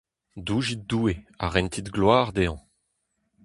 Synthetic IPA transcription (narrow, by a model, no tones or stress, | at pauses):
d̪uːʒit̚d̪uːea̰ʁɛnt̪ʰit̪ɡlwaːʁd̪eɑ̃